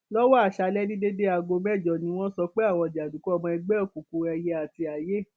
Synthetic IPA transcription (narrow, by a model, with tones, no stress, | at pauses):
lɔ˦wɔ˦a˦˨ʃa˧lɛ˦nĩ˦de˦de˦a˧ɡo˧mɛ˦˨d͡ʒɔ˨nĩ˨˧˦w̃ɔ̃˦sɔ˧k͡pe˦a˦˨w̃ɔ̃˧˨d͡ʒi˨a˨du˨˦kɔ˦ɔ˧mɔ̃˧i˧ɡ͡bɛ˦ɔ˦˨ku˨ku˨ɛ˧je˧˦a˨ti˧a˨je˦˨